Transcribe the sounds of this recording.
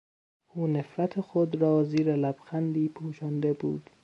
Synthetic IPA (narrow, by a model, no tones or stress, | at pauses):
ʔuːnefɾæt̪ʰexod̪ɾɒːziːɾelæb̥xænd̪iːpʰuːʃɒnd̪ebuːd̪̥